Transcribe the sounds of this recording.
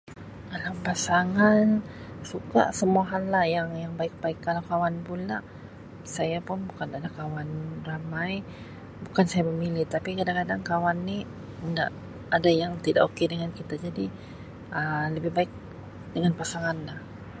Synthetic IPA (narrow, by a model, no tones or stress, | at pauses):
kalawpasaŋansuka̰ʔsəmuaɦanlahjaŋjaŋbaɪk̚baɪkːalawkawanpulaʔ | sajapʊnbukanadakawanramaj | bukansajaməmilɪht̪apikadakadaŋkawanːi | ənda̰ʔ | adajaŋt̪ida̰ʔokedəŋankit̪ad͡ʒadi | ələbɪhbaɪk̚ | dəŋanpasaŋanlah